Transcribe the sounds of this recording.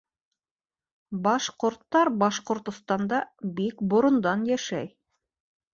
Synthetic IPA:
bɑʃqŏɾt̪ːɑɾbɑʃqŏɾt̪ŏst̪ɑnd̪ɑbikbŏɾŏnd̪ɑnjæʃæj

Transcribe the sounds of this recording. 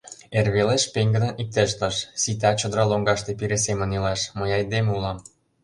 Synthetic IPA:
erβeleʃpeŋɡə̆d̪ə̆nʔik̚t̪ĕʃ̬t̪ɤʃsit̪̬ɑt͡ɕŏd̪ɾɑloŋɡɑʃt̪epiɾesemə̆nilɑʃməjɑjd̪emulɑm

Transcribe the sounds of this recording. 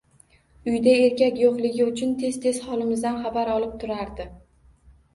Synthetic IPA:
ʊjd̪ae̞ɾkʲakʲjoqlˠɪɡʲɪʊt͡ʃʰʊnt̪ʰe̞zt̪ʰe̞z̥χɒlˠɪmɪzd̪anχɑbaɾɒlˠɪp̚t̪ʰʊɾaɾd̪ɪ

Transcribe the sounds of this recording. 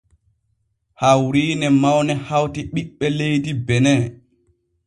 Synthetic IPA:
hawɾiːnɛmawnɛhawtiɓiɓːɛlejdibɛnɛ

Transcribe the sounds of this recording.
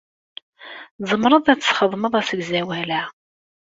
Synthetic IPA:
zˤəmɾˤəðˤæt͡sːə̥sχəðˤməðˤæsəɡzæwlæ

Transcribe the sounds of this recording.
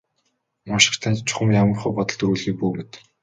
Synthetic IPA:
mɔʃɪ̥̆χt̪ʰant͡ɕt͡ɕʰʊ̥χə̆mjamə̆rχʊ̆ːpɔt̪ɞ̆ɮt̪uːɮɣiːk̚puːmet̪

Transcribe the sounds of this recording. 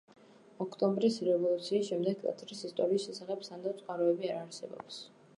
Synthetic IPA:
ɔkʰt̪ʼɔmbɾisɾɛvɔlˠut̪sʰiːsʃɛmd̪ɛɡ̚k̪ʼɛ̰t̪ʰɾisist̪ʼɔɾiːsʃɛsaχɛbsand̪at̪sʼqʼaɾɔɛbiaɾaɾsɛbɔ̰ps

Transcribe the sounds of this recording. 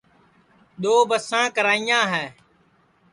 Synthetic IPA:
ɗ̪oːbəsãːkəɾaːijãːɦɛː

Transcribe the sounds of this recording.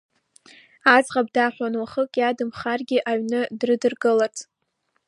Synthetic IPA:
azʁab̚daħʷanwaχəkʼjadɨmχarɡʲɪʔaɥnɨdrɨdɨrɡɨlatʰʼ

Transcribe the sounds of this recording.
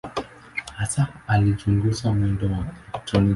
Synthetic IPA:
hasaalid͡ʒuŋɡusamwɛndɔwatɔni

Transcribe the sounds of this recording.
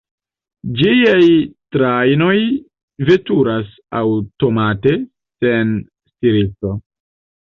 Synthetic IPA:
d͡ʒiajtɾajno̞j | ve̞tuɾas | a̰wto̞mate̞ | se̞n | stiɾit͡so̞

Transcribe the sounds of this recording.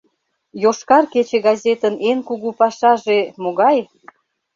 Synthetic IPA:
joʃkɑrket͡ɕeɡɑzʲet̪ənenkuɣupɑʃɑʒemoɣɑj

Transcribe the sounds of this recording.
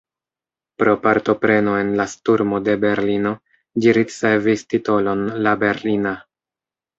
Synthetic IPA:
pɾo̞paɾto̞pɾe̞no̞e̞nlastuɾmo̞de̞be̞ɾlino̞ | d͡ʒiɾit͡se̞vistito̞lo̞nlabe̞ɾlina

